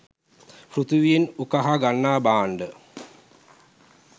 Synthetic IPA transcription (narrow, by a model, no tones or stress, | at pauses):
pɾut̪uʋijenukaɦaɡanːaːbaːɳɖə